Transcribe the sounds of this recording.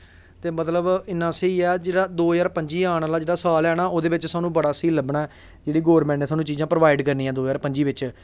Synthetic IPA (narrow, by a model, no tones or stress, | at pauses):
t̪eːmət̪ləbɪnːãːsəiːɛːd͡ʒeːɽaːd̪oːjaːɾpəɲd͡ʒiːaːɳ̃aːlaːd͡ʒeːɽaːsaːlɛːnaːʔoːd̪eːʋɪt͡ʃsaːnũːbəɽaːsiːləbɳaːɛː | d͡ʒeːɽiːɡoːɾmɛ̃ːɳɛːsaːnũːt͡ʃiːzãːpɾəʋaːɪɖkəɾnĩːãːd̪oːjaːɾpəɲd͡ʒiːʋɪt͡ʃ